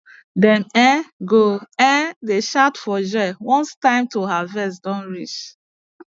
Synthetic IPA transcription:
dɛ̃nɛ̃ɡoɛ̃deʃatfɔd͡ʒɔɪwɔ̃nstãɪ̃mtoɦavɛs̬dɔ̃nɹit͡ʃ

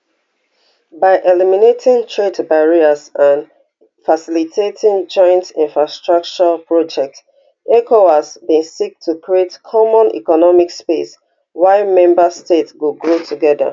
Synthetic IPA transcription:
baɪʔɛliminetʰɪ̃ŋtʰɹedbaɹiəsãn | fasilitʰetʰĩŋd͡ʒɔ̃ɪ̃ntĩnfɹastɹak̚t͡ʃəpɹɔd͡ʒɛk̚t | ɛkʰoasbĩnsik̚tʰukɹietkʰɔmɔ̃nḭkɔnɔmikspes | waɪmɛ̃mbəstetswuɡɹotʰuɡɛdə̰

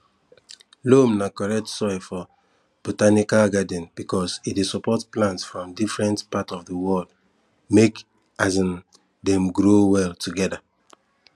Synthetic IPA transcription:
lomnakɔɹɛk̚tsɔjfɔ | b̥otanikalɡadɛ̃nb̥ikɔsidesɔpɔtplãntsfɹɔ̃mdifɹɛ̃ntpatɔvdəwɔld | mek | azĩn | dɛ̃mɡɾowɛltuɡɛda

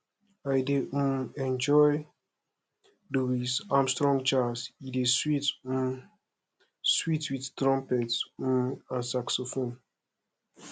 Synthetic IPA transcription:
ajdeʔũmɛ̃nd͡ʒɔj | duwizãmstɹɔ̃ŋd͡ʒasideswit | switwittɾɔ̃mpɛtsũmãsaksofõn

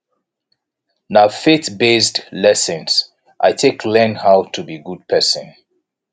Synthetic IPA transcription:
nafetbesdlɛsə̃ns | ʔaɪtʰekʰlɛnhaʊtʰubiɡud̚pʰɛsə̰̃n

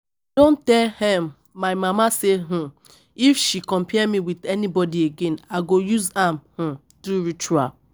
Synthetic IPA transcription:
dõntɛlhɛ̃mː | ajmamaseɦũ | ifʃikɔ̃mpʰɛmiwidɛnibɔdieɡẽnaɡojuzãmhũ | tuɹit͡ʃua̰l

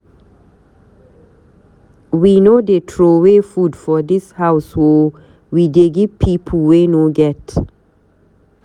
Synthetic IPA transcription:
winodetʰɹowefudfɔdishaʊswo | wideɡipʰipʰəlwenoɡɛt

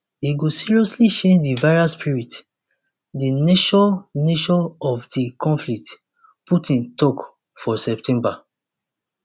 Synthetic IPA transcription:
iɡosiɹiɔsliʃẽd͡ʒdivaɪɹaspʰiɹit | dineʃɔ̃neʃɔ̃ɔfdikɔ̃nflik̚t | putĩntɔk | fɔsɛp̚tʰɛ̃mba

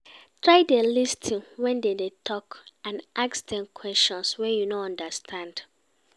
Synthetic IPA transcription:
tɹaɪdelistʰĩnwɛ̃ndedetʰɔkãnʔaksdɛ̃mkʰwɛstɔ̃nswɛ̃njunoɔ̃ndastʰãnd

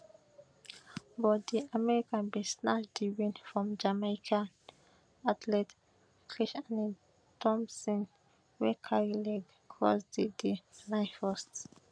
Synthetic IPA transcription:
bɔtd̪iamɛɹikãnbisnaʃdiwĩnfɹɔ̃md͡ʒamakʰãn | atʰlɛt | kʰɹiʃani | tɔ̃msɔ̃n | wɛkʰaɹilɛɡ | kʰɹɔ̰sdidinãɪnfɔst

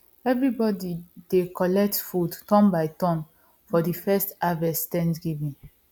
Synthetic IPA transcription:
ɛvɹibɔdid̥ekɔlɛk̚tfudtɔ̃mbaɪtɔ̃n | fɔdifɛstavɛstɛ̃ntɡivĩn

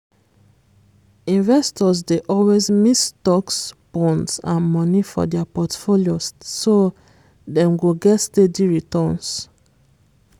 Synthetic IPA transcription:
ĩnvɛstɔzdeʔɔlwezmistɔksb̥ɔ̃ntsãnmɔnifɔ̰dɛpɔtfoljoso | dɛ̃mɡuɡɛtstediɹitɔns

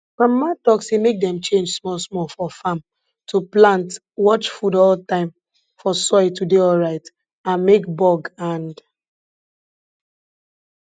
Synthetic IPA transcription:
fãmːatɔksemek̚dɛ̃mt͡ʃẽnd͡ʒsmɔlsmɔfɔfam | tʰuplãnt | wɔt͡ʃfudɔltãɪ̃m | fɔsɔɪtudeɔlɹaɪt | ãnmekbɔɡãnd

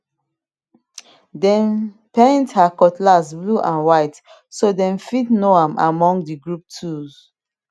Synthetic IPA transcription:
dɛ̃n | pẽnthakɔtlasbluʔãnwaɪt | sodɛ̃nfitnoãma̰mɔ̃ŋɡdiɡɹup̚tʰuz

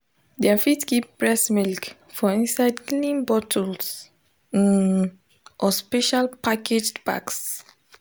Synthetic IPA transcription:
dɛfitkipbɹɛsmilk | fɔĩnsaɪdklĩnbɔtʰɔls | ĩn | ʔɔspɛʃalpaked͡ʒba̰ks

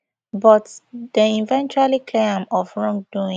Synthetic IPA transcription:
bɔtdəĩnvɛ̃nt͡ʃualikʰleãmɔfɹɔ̃ŋduĩ

